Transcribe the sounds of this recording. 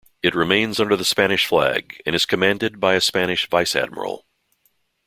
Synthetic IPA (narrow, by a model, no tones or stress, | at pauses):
ɨt̚ɹɨmẽɪ̃nzʌ̃ndə˞ðəspæñɨʃflæ̰ɡɨ̰̃ñɨz̥kʰɨmæ̃ndɨd̚baɪɨspæñɨʃvaɪsæ̰d̚mə̰˞l̩ˠ